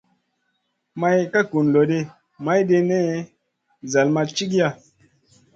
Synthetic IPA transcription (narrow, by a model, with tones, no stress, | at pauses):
ma˧jka˦ku˨nlo˨ɗe˧ | ma˨˦jde˧ne˦ | za˨lma˧t͡ʃi˦k̬ja˧